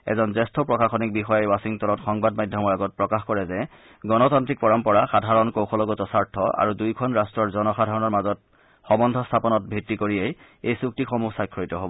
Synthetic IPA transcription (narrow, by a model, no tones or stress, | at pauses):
ɛ̰zɔnzɛstʰɔpɹɔkaxɔnik̚bixɔjajwasiŋtɔnɔtxɔŋbadmajdʱjɔmɔɹaɡɔt̚pɹɔkaxkɔɹɛzɛ | ɡɔnɔtantɹik̚pɔɹɔmpɔɹaxadʱaɹɔnkowxʰɔlɔɡɔtɔsaɹtʰɔʔa̰ɹudujkʰɔnɹastɹɔɹzɔnɔxadʱaɹɔnɔɹmazɔt̚ | xɔbɔndʱɔstʰapɔnɔt̚bʱɹitːikoɹiej | ejsuk̚tixɔmusajkʰɹɔitɔɦobɔ